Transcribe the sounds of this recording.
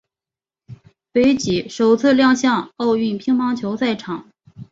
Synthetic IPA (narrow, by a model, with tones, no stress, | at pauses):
pe˧˥ɪt͡ɕi˨˩ʂo˨˩ʊt͡sʰɹ̩˥˧ljɑ˥˧ŋɕjɑ˥˧ŋo˥˧ʊy˥˩npʰi˥ŋmɑ˥ŋt͡ɕʰjo˧˥ʊt͡sa˥˩ɪʈ͡ʂʰɑ˨˩˦ŋ